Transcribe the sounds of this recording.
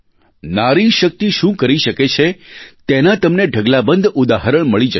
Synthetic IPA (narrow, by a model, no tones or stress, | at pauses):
naɾiʃək̚t̪iʃũkəɾiʃəket͡ʃʰet̪enat̪əmneɖʱəɡlabənd̪ʊd̪aɦəɾəɳməɭid͡ʒə